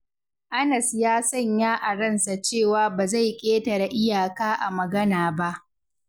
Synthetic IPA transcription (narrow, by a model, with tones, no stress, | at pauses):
ʔa˦nɐ˨sjaː˦sɐ˦˨ɲjaː˦ʔa˨ɽɐ˦˨nsa˨t͡ʃeː˦˨waː˨baː˨za˦˨jkʲʼeː˦tɐ˨ɾa˨ʔɪ˦jaː˨kaː˦ʔa˨mɐ˨ɡɐ˦naː˨ba˦ʔ